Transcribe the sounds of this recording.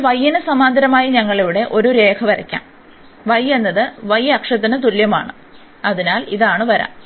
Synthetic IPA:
ʋɐjːinɨsɐmaːnd̪ɐɾɐmaːjiɲɐŋːɐɭeʋiɽe̞ʔo̞ɾuɾe̞ːkʰɐʋɐɾɐ̰kʲːa̰ːm | ʋɐjːe̞nːɐðɨʋɐjɐkʂɐt̪ːinɨt̪̬uljɐma̰ːɳɨ | ɐðinaːliðaːɳɨʋɐɾa̰ːm

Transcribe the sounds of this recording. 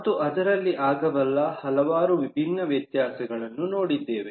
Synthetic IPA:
t̪uʔɐd̪ɐɾɐlːiʔaːɡɐbɐlːɐhɐlɐʋaːɾuʋibʱinːɐʋjɐt̪jaːsɐɡɐɭɐnːuno̞ːɽid̪ːeːʋe

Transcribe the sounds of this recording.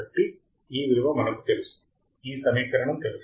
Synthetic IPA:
ɐʈːi | iːʋiɾuʋɐmɐɳɐkːt̪elus | iːsɐneːkːɐɾɐɳɐmt̪elɐs

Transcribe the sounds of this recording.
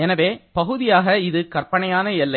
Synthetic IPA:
ɛnɐʋeːpɐɣɯðɪjaːɣɐɪðɯkɐrpɐɳɐjaːnɐɛlːɐ

